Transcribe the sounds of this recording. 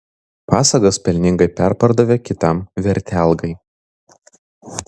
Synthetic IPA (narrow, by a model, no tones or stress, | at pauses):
pɑːsɐɡospʲɛlʲnʲɪŋɡɐɪpʲæˑɾpɐɾd̪ɐʋʲekʲɪt̪ɐmʋʲɛɾʲt̪ʲæˑlˠɡɐɪ